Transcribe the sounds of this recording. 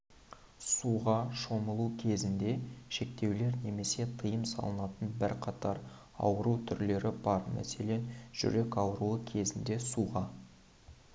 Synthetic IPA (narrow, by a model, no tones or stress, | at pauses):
suʁɑʃo̞məlˠukʲʰe̞zɪnd̪e̞ʃe̞kt̪e̞wle̞ɾne̞me̞se̞t̪ʰəjəmsɑ̰lˠənɑt̪ənbɪɾqʰɑt̪ʰɑɾ | ɑ̰wəɾut̪ʰʏɾle̞ɾɪbɑɾmæ̰se̞le̞nʒ̥ʏ̰ɾe̞kɑwəɾuəkʲʰe̞zɪnd̪e̞suʁɑ